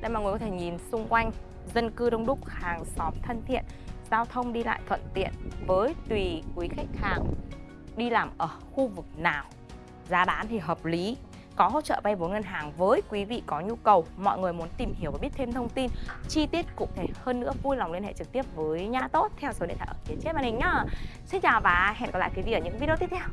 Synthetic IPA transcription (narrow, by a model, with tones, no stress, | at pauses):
ɗḛ˧˩jmaː˨˩ŋ˨˩kɔ˨˦t̪ʰe˧˩ɲi˨˩nsʊ˧ŋ͡mkwa˧jŋ̟ | zə˧nkɨ˧ɗə˧wŋ͡mɗʊ˦˥k͡p̚haː˨˩ŋsɔ˨˦mt̪ʰə˧nt̪ʰḭ˧˨ənzaː˧wt̪ʰə˧wŋ͡mɗi˧la̰ː˧˨jt̪ʰə̰˧˨nt̪ḭ˧˨ənvəː˨˦jt̪wi˨˩kwi˨˦xa˦˥jk̟̚haː˨˩ŋ | ɗi˧laː˨˩mʔəː˧˩xu˧vɨ˨˩k̚naː˨˩w | zaː˨˦ɗaː˨˦nt̪ʰi˨˩ɦəː˨˩p̚li˨˦ | kɔ˨˦ɦo̰˧˥t͡ɕə̰ː˧˨ɓa˧jvo˨˦ŋə˧nɦaː˨˩ŋvəː˨˦jkwi˨˦vḭ˧˨kɔ˨˦ɲu˧kə˨˩wmɔ̰˧˨jŋɨ˨˩əjmu˨˦ənt̪i˨˩mhi˨˦əwvaː˨˩ɓət̪ʰe˧mt̪ʰə˧wŋ͡mt̪i˧nt͡ɕi˧t̪i˦˥əpt̚kʊ̰˧˥ŋ͡mt̪ʰe˧˩həː˧nːɨ̰˧˥əvu˧jla˨˩wŋ͡mli˧nhḛ˧˨t͡ɕɨ˨˩k̚t̪i˦˥əp̚vəː˨˦jɲaː˧t̪o˦˥t̚t̪ʰɛ˧wsə˨˦ḭ˧˨nt̪ʰa̰ː˧˩ʔəː˧˩fi˨˦ət͡ɕe˦˥maː˧˩nhï˨˩ŋ̟ɲaː˧˦sï˧ŋt͡ɕaː˨˩wvaː˨˩ɦɛ̰˧˨nkɔ˨˦la̰ː˧˨ki˨˦vḭ˧˨əː˧˩ɲɨ̰˧˥vi˧i˧t̪i˦˥p̚tʰɛ˧w